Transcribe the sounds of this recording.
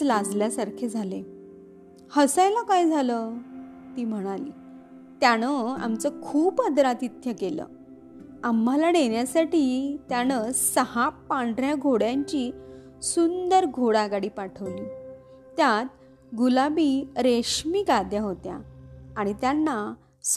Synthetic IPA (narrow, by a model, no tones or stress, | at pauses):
lad͡zljasaɾkʰed͡zʱale | həsajlakajd͡zʱaləː | t̪iːm̤əɽ̃alḭː | t̪jañəa̰mt͡səkʰuːpəd̪ɾat̪it̪jəkelə̰ː | amːalaneɳjasaʈiːt̪janəsəhapːaɳɖɾjaɡʱoɽjãɲt͡ɕiː | sund̪əɾɡʱoɽaɡaɽiːpaʈʰəʋliː | t̪jat̪̚ | ɡulabiɾeɕmiːɡad̪jaɦot̪ja̰ːɽ̃it̪janːa